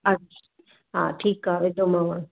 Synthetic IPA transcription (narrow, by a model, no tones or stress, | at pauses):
a | ɦa̰ʈʰiːkaʋed̪omãʋa